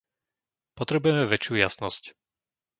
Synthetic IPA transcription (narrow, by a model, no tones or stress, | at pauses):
pɔt̪ɾɛbujɛmɛʋɛt͡ʃɪjuːjasnɔsc